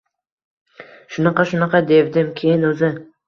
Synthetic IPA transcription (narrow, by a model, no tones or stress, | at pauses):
ʃʊnɑqɑʃʊnɑqɑd̪evd̪ɪmkʲʰejɪnɵzɪ